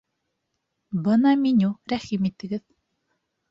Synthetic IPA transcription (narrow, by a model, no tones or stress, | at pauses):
bɤnɑminuqɾæχimit̪ːɘ̆ɡɘð